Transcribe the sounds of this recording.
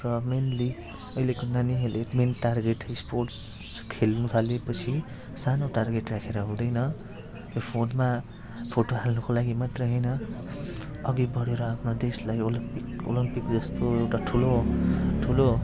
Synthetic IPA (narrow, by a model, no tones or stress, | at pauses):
rʌmenli | ʌilekonaniɦeleʈmenʈarɡeʈsporʈs | kʰelnũt̪ʰalepʌt͡sʰi | sanoʈarɡeʈrakʰeɾʌɦũd̪ʌjnʌ | jopʰonma | pʰoʈoɦalnʌkolaɡimat̪rʌjɦʌjnʌ | ʌɡibʌɽeɾʌapʰnod̪eslajolimpiko̰limpikd͡zʌst̪oewʈaʈʰuloʈʰulo